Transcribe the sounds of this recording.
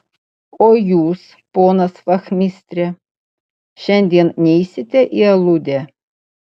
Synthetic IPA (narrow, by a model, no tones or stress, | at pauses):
ojus | ponɐsfaxmʲisʲt̪ʲɾʲɛ | ʃɛnʲd̪ʲennʲeisʲɪt̪ʲɛʔialˠud̪ʲɛ